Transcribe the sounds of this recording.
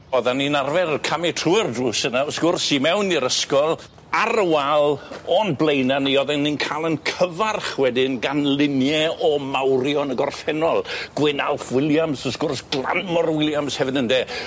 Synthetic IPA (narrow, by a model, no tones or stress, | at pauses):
ɔðanːinarvɛɾəkʰamɪtʰruɪrdruːsənaɔsɡ̥ʊrsimɛwniɾəskɔlˠ | aɾəwalˠɔnblˠejnaniɔðɛnninkʰalˠənkʰəvarχwɛdɪnɡanlˠɪnjɛɔmawɾjɔnəɡɔrfɛnɔlˠɡ̥wɪnalˠfwɪlˠjamsɔsɡ̥ʊrsɡ̥lˠa̰nmɔrwɪlˠjamshɛvɨdəndeː